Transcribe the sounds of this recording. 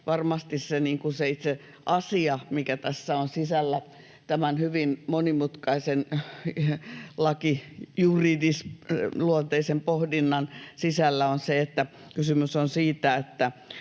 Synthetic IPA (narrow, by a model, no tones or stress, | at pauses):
ʋɑrmɑst̪isseniːŋkuseit̪se | ʔɑsiɑmikæt̪æsːæonsisælːæ | t̪æmænhyʋinmonimut̪kɑisen | lɑkijuridisluont̪eisempohdinːɑnsisælːæonseet̪ːæ | kysymysonsiːt̪æet̪ːæ